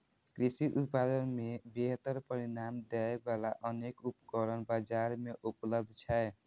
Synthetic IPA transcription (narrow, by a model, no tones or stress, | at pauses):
kɾisiʔupad̪ənmebeɦt̪əɾpəɾinamd̪ɛebalaʔənekupkəɾənbad͡ʒaɾmeʔupləb̚d̪ʱt͡ʃʰaj